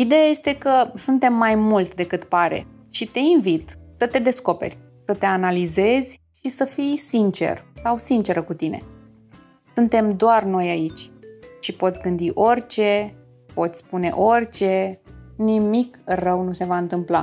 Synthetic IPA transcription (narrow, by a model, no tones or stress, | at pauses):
id̪e̞jaje̞st̪e̞kəsunt̪e̞mːajmult̪ʲd̪e̞kɨt̪paɾe̞̰ | ʃit̪e̞invit̪sət̪e̞d̪e̞sko̞pe̞̰rʲ | sət̪e̞analize̞zʲ | ʃisəfijsint͡ʃe̞̰rsawsint͡ʃe̞ɾəkut̪ine̞̰ | sunt̪e̞md̪oarno̞jait͡ʃʲʃipo̞t̪sʲɡɨnd̪iʔo̞rʲt͡ʃe̞ | po̞t̪sʲspune̞̰ʔo̞rʲt͡ʃe̞nimikrəwnuse̞vaɨnt̪ɨmpla